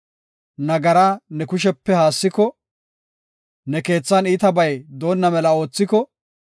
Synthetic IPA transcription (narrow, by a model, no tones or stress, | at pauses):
nɐɡɐɾɐnɛkʊʃ̬ɛpːɛhaːsːɪkɔ | nɛke̞ːt͡sːɐniːt̪ɐbɐjd̪o̞ːnːɐmɛlɐo̞ːt͡sːɪkɔ